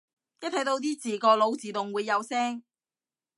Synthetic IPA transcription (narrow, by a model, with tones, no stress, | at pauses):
jɐ˥t̪ʰɐ˨˥jt̪o˨˧wt̪̬iː˥t͡siː˨kɔː˧lo˨˧wt͡siː˨t̪ʊ˨ŋwuː˨˧jːɐ˨˧wsɛː˥ŋ